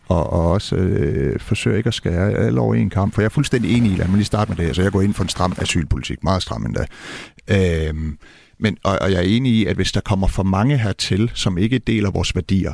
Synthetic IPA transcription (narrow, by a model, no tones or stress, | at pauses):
ɒ̽ʔɒɒ̽s | fɒ̽sø̰ːɐe̝ɡ̥ɒsɡ̥ɛːɐæl̰əɒʊɐe̝̰nkʰɑ̈m̰b̥fɒjɑ̈æɐfulsd̥en̰d̥ie̝ːniilʔæmænlisd̥ɑ̈ːd̥med̥eæsɒjɑ̈ɡɒ̰ːe̝n̰fɒ̽e̝nsd̥ʁɑ̈m̰æsy̰ːlpʰo̝lit͡sʰiɡ̥mɑ̈ːð̩ˠsd̥ʁɑ̈mʔend̥æ | ø | menʔɒɒjɑ̈æɐe̝ːniiæd̥ʋe̝sd̥ɑ̈kʰɒ̽m̰ɐfɒ̽mɑ̈ŋəɦæɐt͡sʰe̝lsɒ̽me̝ɡ̥əæd̥e̝̰ːlæʋɒ̰ːsʋæɐd̥ḭːɐ